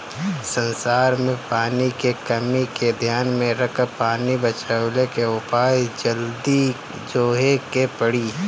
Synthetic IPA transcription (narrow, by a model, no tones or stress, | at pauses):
sə̃nsaːɾmẽpaːnikekɐmiked̪ʱjaːnmẽɾɐkʰəpaːnibət͡ʃəwlekeʊpaːjd͡ʒəld̪i | d͡ʒoːɦekepəɽiː